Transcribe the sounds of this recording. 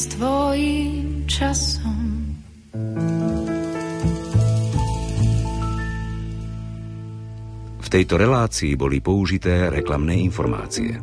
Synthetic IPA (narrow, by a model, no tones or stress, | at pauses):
st̪ʋɔjiːmt͡ʃasɔm | ft̪ɛjt̪ɔɾɛlaːt͡siːbɔlipɔuʒit̪ɛːɾɛklamnɛːinfɔɾma̰ːt͡sḭɛ̰